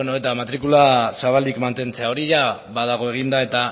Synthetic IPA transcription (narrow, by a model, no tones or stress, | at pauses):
noe̞t̪amat̪ɾikulasaβald̪ikmant̪e̞nt͡se̞ao̞ɾiʝaβaðaɣ̞o̞e̞ɣ̞ind̪ae̞t̪a